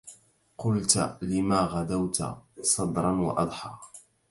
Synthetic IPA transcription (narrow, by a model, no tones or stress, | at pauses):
qʊlt̪lɪmaːɣad̪awt̪sˤɑd̪ɾˤɑnwɑ̰ʔɑd̪ˤħɑ̰